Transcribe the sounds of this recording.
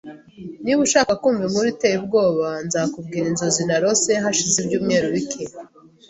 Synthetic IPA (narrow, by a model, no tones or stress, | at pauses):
niβuʃaːkakuːɱvim̥uɾitejibɡo̞ːβanzakub̚ɡiːɾinzo̞zinaɾo̞se̞ɦaʃizibɟuːmŋe̞ːɾuβike